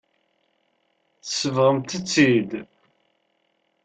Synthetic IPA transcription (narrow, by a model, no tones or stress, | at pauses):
θəsəvʁəmt̪ət͡sːid̪